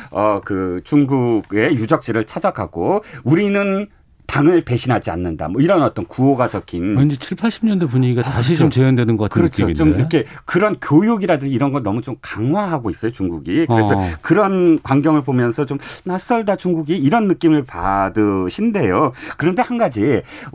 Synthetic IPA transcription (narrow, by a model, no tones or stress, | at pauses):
ʌkɯt͡ɕuŋɡuɡe̞jud͡ʑʌk̚t͡ɕ͈iɾɯɭt͡ɕʰad͡ʑakʰa̰ɡouɾinɯn | taŋɯɭpe̞ɕʰinɦad͡ʑia̰nːɯnda̰mʌiɾʌnʌt͈ʌnkuoɡad͡ʑʌkʰinend͡ʑet͡ɕʰiɭpʰaɭɕ͈ʰimɲʌndepoɲiɡiɡaaɕ̬ʰit͡ɕomt͡ɕejʌndwenɯnɡʌk͈atkɯɾʌt͡ɕʰoit͡ɕomiɾʌkʰe̞kɯɾʌnkjojoɡiɾadɯŋiɾʌnɡʌnʌmut͡ɕomkaŋwaɦaɡois͈ʌjot͡ɕuŋɡuɡikɯɾesʰʌkɯɾʌnkwaŋɡjʌŋɯɭpomjʌnsʰʌt͡ɕomnas͈ʌɭdat͡ɕuŋɡuɡiːɾʌnːɯk͈imɯɭpa̰dɯɕʰinde̞jokɯɾʌnde̞hanɡad͡ʑi